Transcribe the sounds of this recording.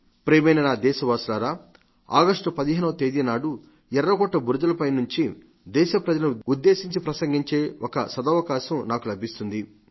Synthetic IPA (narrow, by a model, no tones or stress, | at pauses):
pɾeːmejnɐnaːd̪ɛːʃɐʋaːslaːɾaː | a̰ːɡɐʂʈupɐd̪iɦeːnɐʋɐt̪eːd̪inaːɽu | ɛɾːɐɡɔʈːɐbuɾd͡ʒɐlɐpɐjnuɲt͡ʃi | d̪ɛːʃɐpɾɐd͡ʒɐlɐnuud̪ːe̞ːsiɲt͡ʃipɾɐsɐŋɡiɲt͡ʃe̞ːɔkɐsɐd̪ɐːʋɐkaːʃɐmnaːkulɐbʱist̪und̪i